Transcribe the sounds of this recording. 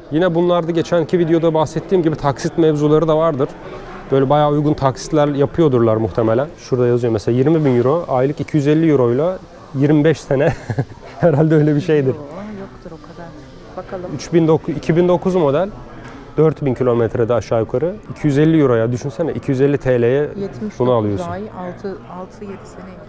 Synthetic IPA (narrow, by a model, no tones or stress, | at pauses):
jinɛbunlˠaɾd̪aɟe̞t͡ʃʰænicʰivid̪ejo̞d̪abaxsɛt̪ʰːiːmɟibit̪ʰaksit̪mɛvzulˠaɾɯd̪avaɾd̪ɯɾ̥ | b̥øjlʲɛbajaːujɡunt̪ʰaksi̥t̪lʲæɾjapʰɯjo̞d̪uɾlˠaɾmuxt̪ʰemelʲænʃuɾd̪ajazɯjo̞mɛselaːjiɾmibinjuɾo̞ajlˠɯkicʰijyzɛlʲːijuɾo̞jlˠa | jiɾmibɛʃsenɛ | hɛɾalʲd̪ɛøjlʲɛbiʃejd̪iɾ̥jk̪ok̪ʰ | yt͡ʃbind̪okʰicʰibind̪o̞kʰuzmo̞d̪ælʲ | d̪̥øɾt̪bincʰilʲo̞mɛt̪ʰɾed̪ɛaʃaːjukʰaɾɯicʰijyzɛlʲːijuɾo̞jad̪yʃynsɛnɛʔicʰijyzɛlʲːit̪ʰelʲejɛbunualˠɯjo̞unʰ | lˠt̪ʰ